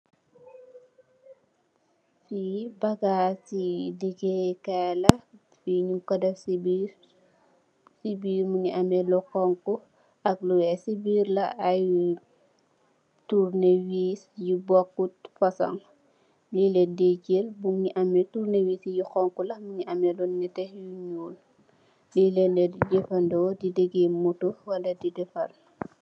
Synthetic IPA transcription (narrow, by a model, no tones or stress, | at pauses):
fibɐɡaːsidiɡekɛlɐ | fiɲukɔdɛfsibiɾ | sibiːɾmuɲiʔɐmɛlɔkɔŋku | ɐk̚luwɛsibiːɾlɐ̰ɐju | tuɾnewiːsjibɔkːutfɐsɐ̰ŋ | lilɛdecelbuŋɲiʔɐmɛtuɾnewiːsijixɔŋkulɐmuɲiʔɐmɛlɔnɛtɛhjuɲuːl | lilɛndɛdɟɛfɐndɔːdideɡemutuwɐlɐdidɛfɐl